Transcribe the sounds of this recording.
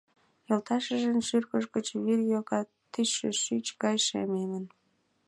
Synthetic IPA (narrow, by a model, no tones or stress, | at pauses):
jolt̪ɑʃəʒənʃyrkəʃɡət͡ɕβirjokɑt̪ːyḛʃyt͡ɕkɑjʃɑ̰memən